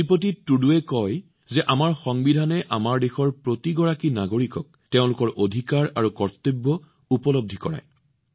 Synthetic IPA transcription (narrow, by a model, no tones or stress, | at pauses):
ipotitːuduɛkɔj | zɛʔamaɹxɔŋbidʱanɛʔamaɹdexɔɹpɹotiɡɔɹakinaɡoɹikɔk̚teʊ̃lʊkɔɹʔodʱikaɹa̰ɹukɔɹtebːɔ | upɔlob̚dʱikɔ̰ɹa̰j